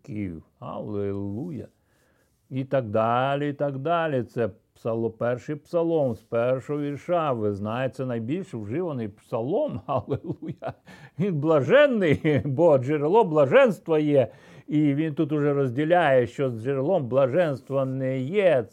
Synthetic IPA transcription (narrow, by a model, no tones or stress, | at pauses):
kʲij | ɐ̰lˠelˠujɐ̰ | it̪ɐɡd̪alʲɪit̪aɡd̪alʲɪt̪sɛpsɐlˠɔpɛrʂɨjpsɐlˠɔmspɛrʂɔɔʋʲirʂaʋɪznajesʲɛnɐjbʲilʲʂwʐɪʋɐnɨjpsɐlˠomhɐlˠɪlˠujɐʋʲinblˠɐʐɛnːɪjboʐɪɾlˠɔblˠɐʐɛnst̪ʋɐjɛ | iʋʲint̪ut̪̬ʊʐɛɾɐzʲdʲɪlʲajɛʃɔzʐɪɾlˠɔmblˠɐʐɛnst̪ʋɐnːɛje